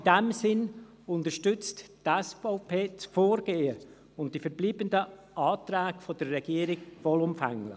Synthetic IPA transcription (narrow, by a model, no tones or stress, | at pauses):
dɛmsɪn | ʊntəɾʃtʏt͡sttɛsfaʊpʰeːt͡sfoːɾɡeːə | ʊnt̚d̥ifəɾbliːbəndə | ʔɑːtræːɡ̥fod̥ərːɛɡ̥iəɾɪɡʋɔlʊmfɛ̰ŋlɪ̰